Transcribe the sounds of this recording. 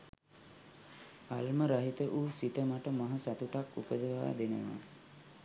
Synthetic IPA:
alməɾaɦit̪əʔuːsit̪əmaʈəmaɦəsat̪uʈakṵpəd̪əʋa̰ːd̪enəʋa̰

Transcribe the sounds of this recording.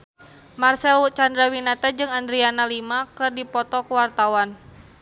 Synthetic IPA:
marsɛlt͡ʃandɾawinat̪ad͡ʒɨŋand̪ɾianalimakɨrdipɔt̪ɔkəwart̪awan

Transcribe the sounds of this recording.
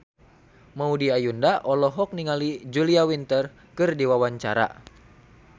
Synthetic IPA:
maudiajundaʔɔlɔɦɔk̚niŋalid͡ʒuliawint̪ər | kɨrdiwawaɲt͡ʃaɾa̰

